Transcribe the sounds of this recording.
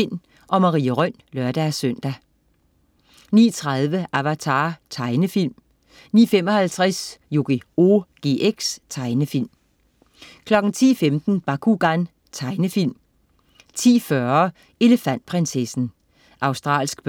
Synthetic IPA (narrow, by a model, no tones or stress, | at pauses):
l̰m | ʔɒ̽mɑ̈ʁḭːəʁœn̰lœɐ̰d̥æsœn̰d̥æ | nḭːt͡sʰʁɑðˠʋəʔæʋæt͡sʰɑ̰̈ːt͡sʰɑ̈ɪnəfil̰m | niːfem̰ɒ̽hælt͡sʰʁasjo̝ɡ̥ioɡ̥e̝̰ːʔeɡ̥st͡sʰɑ̈ɪnəfil̰m | kʰlɒ̽ɡ̥ŋ̩t͡sʰḭːfemd̥n̩b̥ɑ̈kʰuɡ̥ɑn | t͡sʰɑ̈ɪnəfil̰m | t͡sʰḭːfɶɐ | e̝lefæn̰d̥̚pʰʁɛnsesn̩ | ʔɑ̈ʊsd̥ʁɑ̰̈ːlsɡ̥b̥